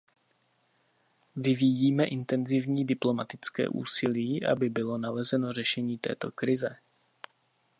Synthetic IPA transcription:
vɪvijiːmɛʔɪnt̪ɛnzɪvɲiːdɪplo̞mat̪ɪt͡skɛ̰ːʔṵːsɪliːʔa̰bɪbɪlo̞nalɛzɛno̞rɛʃɛɲiːt̪ɛ̰ːt̪o̞̰kɾɪzɛ

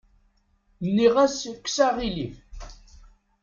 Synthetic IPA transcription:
nːiʁæskːsaʁilif

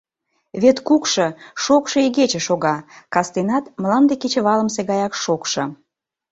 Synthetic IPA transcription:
βet̪kukʃɤʃokʃɤeɣet͡ɕə̆ʃoɣɑkɑst̪enɑt̪məlɑnd̪eket͡ɕə̆βɑləmseɣɑjɑkʃokʃɤ̆

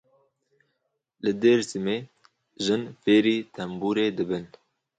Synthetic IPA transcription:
lɨd̪eːɾsɨmeː | ʒɨnfeːɾiːt̪ʰɛmbuːɾeːd̪ɨbɨn

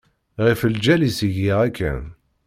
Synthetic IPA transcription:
ʁifəld͡ʒælisiʝiʁækʰːæ̰n

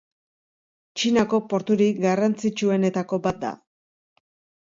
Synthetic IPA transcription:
t͡ʃinako̞po̞ɾt̪uɾiɡarant͡sit͡ʃue̞ne̞t̪ako̞bat̪̚d̪a̰

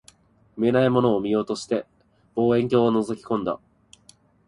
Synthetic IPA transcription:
ɯme̞naimo̞no̞ːmʲijo̞ːt̪o̞ɕi̥t̪e̞ | b̥o̞ːẽ̞ŋk̬ʲo̞ːβano̞zo̞kʲi̥kõ̞nd̪a̰

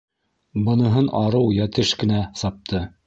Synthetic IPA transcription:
bɤ̆nɤ̆ɦɤnɑɾɤwjæt̪ɘʃkɘ̆næsɑp̚t̪ʰɤ

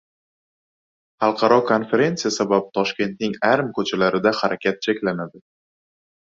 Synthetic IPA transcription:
χɑlˠqʰɑɾɒkʰo̞nfe̞ɾe̞nt̪ijasabapt̪ʰɒʃkʲe̞nt̪̚nɪŋaɾmkʰɵt͡ʃʰalaɾɪd̪ahaɾakʲʰat̪̚t͡ʃʰakʲlanad̪ɪ

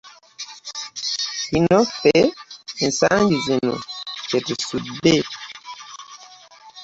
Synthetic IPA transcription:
hinɔpɛn̩saŋɡizenṵkɛtesube

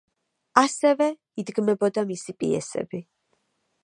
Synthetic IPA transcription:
asɛvɛ | id̪ɡmɛbɔd̪amisipʼḭɛ̰sɛ̰bi

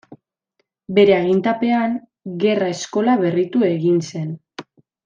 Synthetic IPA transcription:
be̞ɾe̞aɣint̪ape̞aŋ | ɡe̞rae̞sko̞laβe̞rit̪ue̞ɣinse̞n

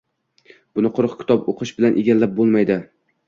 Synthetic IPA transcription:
b̥ʊnɪqʰʊɾqkʲɪ̥t̪ɒpoqʰɨʃbɪlanʔeɡʲalːap̚bolˠmajd̪ɪ

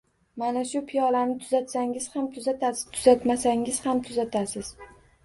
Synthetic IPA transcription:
manaʃʊpʰijɒlanɪt̪ʰʊzat̪saŋɪz̥hamt̪ʰʊzat̪ʰat̪ʰʊzat̪masaŋɪz̥hamt̪ʰʊzat̪ʰasɪz̥

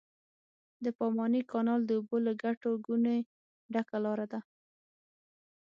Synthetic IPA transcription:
d̪əpɑmɑnikɑnɑld̪əuboləɡaʈoɡune | ɖakalɑɾad̪a

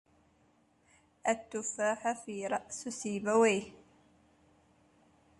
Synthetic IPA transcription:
ʔat̪ːʊfaːħafiːɾˤɑʔsʊsiːbaweː

